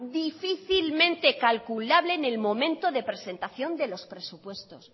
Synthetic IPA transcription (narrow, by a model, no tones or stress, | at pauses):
d̪ifiθilmẽ̞nt̪e̞kalkulaβlene̞lmõ̞mẽnt̪o̞ðe̞pɾe̞se̞nt̪aθjo̞nd̪e̞lo̞spɾesupwe̞st̪o̞s